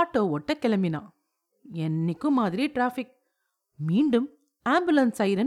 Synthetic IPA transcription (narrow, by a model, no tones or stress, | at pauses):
ʈːoːɔʈːɐkɛlɐmbɪnã̰ː | ɛnːɪkːɯ̃mːaːðɪɾiʈɾaːfɪk̚ | miːɳɖɯm | aːmbɯlɐnsɐɪɾɐ